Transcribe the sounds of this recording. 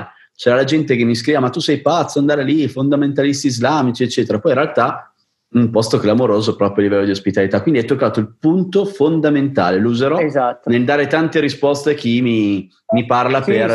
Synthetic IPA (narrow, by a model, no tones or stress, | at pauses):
t͡ʃɛːɾalad͡ʒɛnt̪ek̟emːiskɾiːvamat̪ːusɛjpat̪sːoand̪aːɾelifond̪ament̪alist̪iːzlaːmit͡ʃiet͡ʃːeːt̪eɾapɔj̃nrealt̪a | umpɔst̪oklamoɾoːzoɛpɾɔpɾjoalːivɛlːod̪iospit̪alit̪akːwind̪iɛt̪ːokːaːt̪oilpunt̪ofond̪ament̪a̰ːlelouzeɾɔzaːneld̪aːɾet̪ant̪eɾispɔst̪ek̟imi | miparlaper